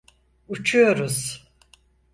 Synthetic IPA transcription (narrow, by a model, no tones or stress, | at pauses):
ut͡ʃʰujo̞ɾuz̥